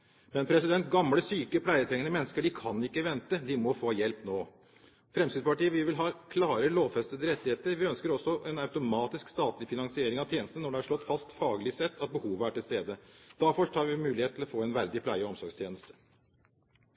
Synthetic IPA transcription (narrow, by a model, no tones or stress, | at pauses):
mɛnpʰɾɛsɪd̪ɛnt̪ɡɑmləsyːkəpʰlæɪət̪ʰɾɛŋənəmɛnːəskəɖɪkʰɑnːɪkːəʋɛnt̪əd̪ɪmɔfoːjɛlpnoː | fɾɛmsid̪pɑʈiːəʋɪʋɪlɦɑːkʰlɑːɾəloːʋfɛst̪əd̪əɾɛt̪ːɪheːt̪əɾʋɪœnskəɾɔsːɔʔɛnɑʉt̪ʊmɑːt̪ɪskst̪ɑːt̪lɪfɪnɑŋsɪeːɾɪŋɑt̪ʰjeːnəst̪n̩nːɔɖɛæʂɭɔt̪ːfɑst̪fɑːɡlɪsɛt̪ːɑt̪̚bəhuːʋəæʈɪlst̪eːd̪əd̪̥æɾfɔʂʈʰɑːɾʋɪmʉːlɪheːt̪ʰɪlɔfoːɛnʋæɾd̪ɪpʰlæɪəɔmsɔɾɡst̪ʰjeːnəst̪ə̥